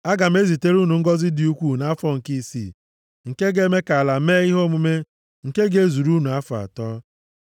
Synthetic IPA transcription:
a˦ɡa˨m̩˦e˦zi˨te˦ɾu˦nu˨ŋ̩˦ɡɔ˦zɪ˦di˦u˦kʷu˦na˦fɔ˦ŋ̩˨ki˦˨sḭ˦˨ | ŋ̩˨ke˦ɡe˦me˦ka˨a˨la˨me˦i˦ɦo˦mu˦me˦ | ŋ̩˨ke˦ɡe˦zu˨ɾu˦nu˨a˦fɔ˨a̰˨tɔː˦

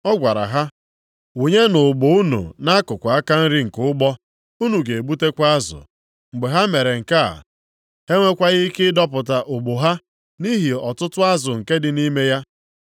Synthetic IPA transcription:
ɔ˦ɡʷa˨ɾa̰˨ɦa˦ | u˨ɲe˦nʊ˨ɡ͡bʊ˨u˦nṵ˨na˦kʊ˨kʷa˨a˦ka˦n̩˦ɾɪ˦ŋ̩˨kʊ˦ʊ˦ɡ͡bɔ˦ | u˦nu˨ɡe˨e˨ɡ͡bu˦te˦kʷa˦a˦zʊ̰˨ | ŋ͡m̩˨ɡ͡be˨ɦa˦me˨ɾe˨ŋ̩˨ka˦a̰˨ | he˦ŋʷe˦kʷa˦ɣɪ˦i˦kɪ˦dɔ˦pʊ˨t̬a˨ʔʊ˨ɡ͡bo˨ɦa˦ | ni˦ɦi˨ɔ˨tʊ˦tʊ˦a˦zʊ˨ŋ̩˨ke˦dɪ˨ni˦me˦ja˦

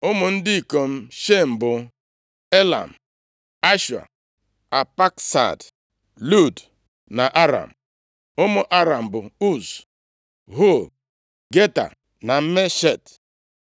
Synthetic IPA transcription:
ʊ˦mʊ˨n̩˦dɪ˦i˨ko˨m̩˦ʃe˦m̩˨bʊ˨ | e˦la̰˨m̩˨ | a˦ʃu˨a̰˨ | a˨pa˦ksa̰˨d | lu˦˨d | na˨ʔa˦ɾa̰˨m̩˨ | ʊ˦mʊ˦ʔa˦ɾa˨m̩˨bʊ˨u˦˨s | ɦo˦˨ | ɡe˦ta̰˨ | na˨m̩˦me˦ʃe˦˨t

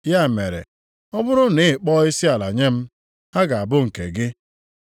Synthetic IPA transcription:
ja˦˨mḛ˨ɾḛ˨ | ɔ˦bʊ˦ɾʊ˦nɪ˨k͡pɔ˦i˦si˦a˨la̰˨ɲe˦m̩˦ | ha˦ɡa˨a˨bʊ˦ŋ̩˨ke˨ɡɪ˦

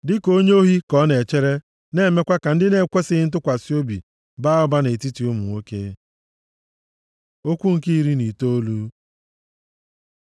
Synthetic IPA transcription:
dɪ˦ko˦ɲe˦o˦ɦi˦kɔ˦ne˨t͡ʃe˦ɾe˦ | ne˦˨me˦kʷa˦ka˨n̩˦dɪ˦ne˨˦kʷe˦sɪ˦ɪ˦n̩˦t̬ʊ˦kʷa˨si˦o˦bḭ˨ | ba˦ʊ˦ba˦ne˨ti˦ti˨u˦mṵ˨o˦kḛ˦ | o˦kʷu˦ŋ̩˨ki˦ɾi˦ni˨to˦lu˦

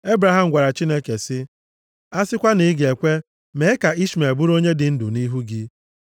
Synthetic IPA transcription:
e˦bɾa˨ɦa˨m̩˦ɡʷa˨ɾa˨t͡ʃi˦ne˦ke˨sɪ˦ | a˦sɪ˦kʷa˦ni˨˦ɡe˨kʷe˦ | me˨˦ka˨i˦ʃme˨bʊ˦ɾo˦ɲe˦dɪ˨n̩˦dʊ˨ni˦ɦu˦ɡi˦

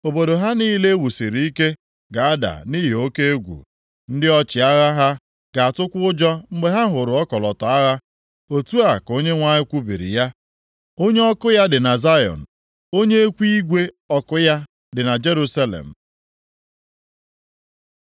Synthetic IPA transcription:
o˨bo˨do˨ɦa˦ni˦le˦wu˨si˨ɾi˨i˦ke˦ | ɡa˨a˦da̰˨ni˦ɦe˨o˦ke˦ɡʷṵ˨ | n̩˦dɪ˦ɔ˦t͡ʃɪ˨a˦ɣa˦ɦa˦ | ɡa˨a˨tʊ˦kʷʊ˦ʊ˦d͡ʒɔ˦ŋ͡m̩˦ɡ͡be˦ɦa˦ɦʊ˨ɾʊ˨ɔ˦kɔ˨lɔ˨tɔ˨a˦ɣa˦ | o˨tu˦a˨ko˦ɲe˦ŋʷa˦ɲɪ˦kʷu˦bḭ˨ɾḭ˨ja˦ | o˦ɲe˦ɔ˦kʊ˦ja˦dɪ˨na˨za˦jɔ̰˨n̩˨ | o˦ɲe˦e˦kʷi˦ɡʷe˦ | ɔ˦kʊ˦ja˦ | dɪ˨na˨d͡ʒe˦ɾu˦sa˦lḛ˨m̩˨

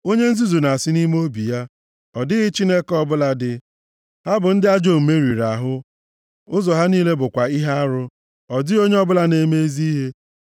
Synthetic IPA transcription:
o˦ɲe˦n̩˦zi˦zu˨na˨sɪ˦ni˦m˦o˦bi˨ja˦ | ɔ˨dɪ˦ɣɪ˦t͡ʃi˦ne˦kɔ˦bʊ˦la˨dɪ˨ | ha˦bʊ˨n̩˦dɪ˦a˦d͡ʒo˦˨m̩˨me˦ɾi˨ɾa˨ɦʊ˦ | ʊ˦zɔ˨ɦa˦niː˦le˦bʊ˨kʷa˨i˦ɦa˦a˦ɾʊ˦ | ɔ˨dɪ˦o˦ɲe˦ɔ˦bʊ˦la˦ne˨˦me˦e˦zi˦ɦe˦

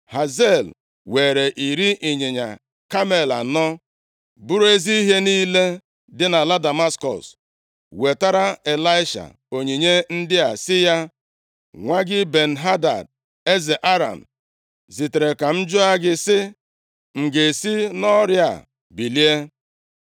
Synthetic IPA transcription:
ha˨ze˦˨l | we˨ɾe˨ʔi˨ɾi˦ʔi˨ɲe˨ɲa̰˨ | ka˦me˦˨la̰˨nɔ˦ | bu˦ɾe˦zi˦i˦ɦe˦niː˦le˦ | dɪ˦na˨la˦da˨ma˦skɔ̰˨s | we˨ta˦ɾa˦e˨la˦ɪ˦ʃa̰˨ | o˨ɲe˨ɲe˦n̩˦dɪ˦a˨sɪ˦ja˦ | ŋʷa˦ɡɪ˦be˨n̩˨ɦa˦da̰˨d | e˦ze˨ʔa˦ɾa̰˨m̩˨ | zi˨te˨ɾe˨ka˨m̩˦d͡ʒʊ˦a˦ɡɪ˦sɪ˦ | ŋ̩˨ɡe˨si˦nɔ˦ɾja̰˨ | bi˨li˦e˦

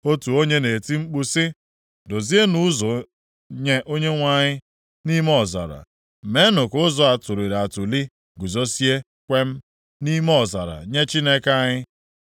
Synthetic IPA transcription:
o˦tu˨o˦ɲe˦ne˨ti˦ŋ͡m̩˦k͡pu˦sɪ˦ | do˨zi˦e˦nu˦zɔ˨ | ɲe˦ʔo˦ɲe˦ŋʷa˦˨ɲɪ˦ | ni˦m˦ɔ˨za̰˨ɾa̰˨ | me˨˦nʊ˨kʊ˦zɔ˨a˨tʊ˨ɾi˨ɾa˨tʊ˨li˦ | ɡu˨zo˦si˦e˦ | kʷe˦m̩˦ | ni˦me˦ɔ˨za̰˨ɾa̰˨ɲe˦t͡ʃi˦ne˦kaa˦ɲɪ˦

